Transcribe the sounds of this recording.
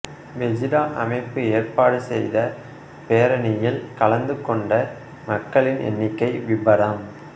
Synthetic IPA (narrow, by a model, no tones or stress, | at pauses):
ʋɛd͡ʒɪɾaːʔɐ̰mɐɪpːɯeːrpaːɽɯsɛ̰jðɐ | peːɾɐnɪjɪlkɐɭɐnd̪ɯkːɔɳɖɐ | mɐkːɐɭɪnʔɛ̰nːɪkːɐɪʋɪbɐɾaːm